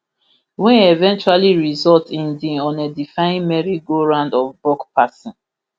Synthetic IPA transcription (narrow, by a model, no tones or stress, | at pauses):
wɛ̃nevɛ̃nt͡ʃualiɹizɔltĩndĩɔ̃nedifãɪĩnmɛɹiɡoɹãndɔfbɔkpasɔ̃n